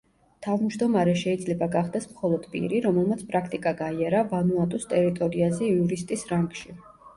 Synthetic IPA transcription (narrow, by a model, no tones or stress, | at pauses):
t̪ʰavmd͡ʒd̪ɔmaɾɛʃɛid̪zlɛbaɡaχd̪ɛsmχɔlˠɔd̪̥pʼḭɾiɾɔmɛlˠmat̪sʰpʼɾakʰt̪ʼikʼaɡaiaɾavanuat̪ʼust̪ʼɛɾit̪ʼɔɾiazɛiuɾist̪ʼisɾaŋɡʃi